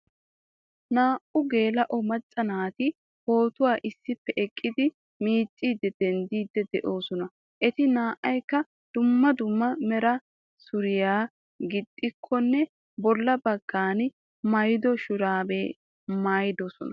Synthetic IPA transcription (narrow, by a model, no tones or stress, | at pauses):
naːʔʊɡe̞ːlɐʔɔmɐt͡sʼːɐnaːt̪ɪ | ho̞ːt̪ʊwaːʔɪsːɪpːɛʔɛkʼːɪd̪ɪ | miːt͡sʼːiːd̪ɛd̪̥ɛnd̪iːd̪ːɛd̪ɛʔo̞ːsɔnɐ | ʔɛt̪ɪnaːʔːɐjkːɐ | d̪̥ʊmːɐd̪ʊmːɐmɛɾɐ | sʊɾɪjaː | ɡɪd̪ʼːɪkʰːɔnːɛ | bɔlːɐbɐɡ̥ːaːn | mɐjd̪ɔʃʊɾaːbeː | majd̪ɔsɔnɐ